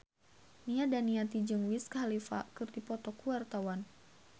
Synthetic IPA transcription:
niadaniat̪id͡ʒɨŋwiskalifa̰kɨrt̪ipɔt̪ɔkuwart̪awan

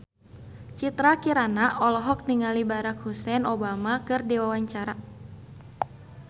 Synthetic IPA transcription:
t͡ʃit̪ɾakiɾanaʔɔlɔɦɔk̚niŋalibaɾakhusɛnɔbamakɨrdiwawaɲt͡ʃaɾa

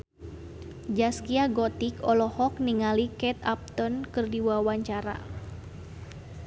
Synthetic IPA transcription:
d͡ʒaskiaɡɔt̪ikɔlɔhɔk̚niŋalikɛt̪ap̚t̪ɔnkɨrdiwawaɲt͡ʃaɾa̰

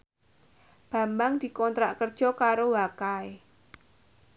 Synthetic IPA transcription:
b̥ä̤mbaŋd̪̥i̤kɔnt̪ɾaʔkərd̥ʒ̥ɔ̤kaɾowakae

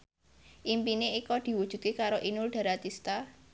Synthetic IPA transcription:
ʔimpineikɔd̪̥i̤wud̥ʒ̥ṳd̪̚kekaɾoʔinʊlɖ̥a̤ɾat̪ist̪a

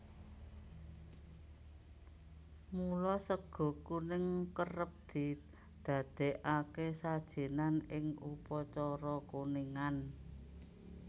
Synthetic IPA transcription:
mulɔsəɡ̥ɔ̤kunɪŋkərəp̚d̪̥i̤ | d̪̥ä̤d̪̥e̤ʔakesad̥ʒ̥e̤nanɪŋupɔt͡ʃɔɾɔkuniŋan

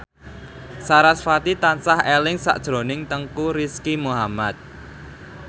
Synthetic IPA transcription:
saɾasfat̪it̪ansahelɪŋsa̰ʔd̥ʒ̥ɾo̤nɪŋt̪əŋkuɾiskimuɦamat̪̚

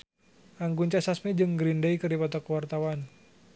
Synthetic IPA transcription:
ʔaŋɡuɲt͡ʃasasmid͡ʒɨŋɡɾindeikɨrdipɔt̪ɔkuwart̪awan

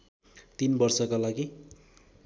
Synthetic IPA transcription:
t̪inbʌrsʌkalaɡi

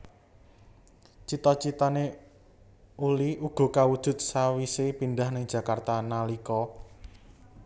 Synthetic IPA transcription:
t͡ʃit̪ɔt͡ʃit̪ane | uliʔuɡ̥ɔ̤kawud̥ʒ̥ʊ̤t̪̚sawisepind̪ahnɪŋ̥ʒ̥ä̤kart̪analikɔ

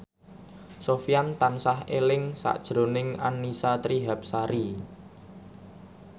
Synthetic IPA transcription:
sofijant̪ansaɦelɪŋsa̰ʔd̥ʒ̥ɾo̤nɪŋanːisat̪ɾiɦap̚saɾi

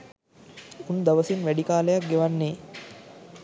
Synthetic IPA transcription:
und̪aʋɐsinʋæɖikaːləjak̚ɡeʋanːeː

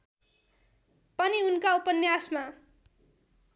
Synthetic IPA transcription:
pʌniunkaupʌnjasma

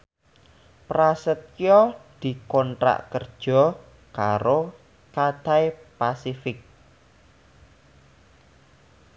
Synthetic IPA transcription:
pɾasət̪̚jɔd̪̥i̤kɔnʈɾa̰ʔkərd̥ʒ̥ɔ̤ | kaɾo | kat̪ajpasifɪk̚

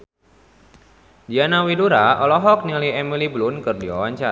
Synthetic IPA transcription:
dianawiduɾaɔlɔɦɔk̚niliɛmiliblʊnkɨrdiwa̰waɲt͡ʃa

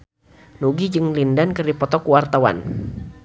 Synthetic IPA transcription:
nuɡid͡ʒɨŋlindankɨrdipɔt̪ɔkuwart̪awa̰n

